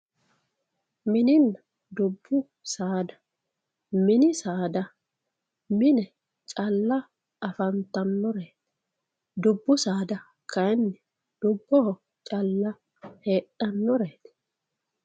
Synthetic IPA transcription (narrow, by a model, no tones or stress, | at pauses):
mɪnɪnːɐ | d̪ʊbːʊ | saːd̪ɐ̥ | mɪnɪsaːd̪ɐ | mɪnɛ | t͡ʃʼɐlːɐ | ɐfɐnt̪ɐnːɔɾeːt̪ | d̪ʊbːʊsaːd̪ɐ | kʰɐjnːɛ | d̪̥ʊbːɔh | t͡ʃʼɐlːɐ | he̞ːʔɐnːɔɾeːt̪